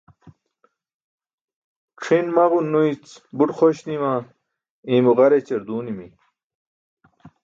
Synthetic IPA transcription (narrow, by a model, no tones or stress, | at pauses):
kʂʰinmɐʁunːuit͡sbuʈχoɕniwãː | iːmuʁɐɾet͡ɕɐɾd̪uːnimi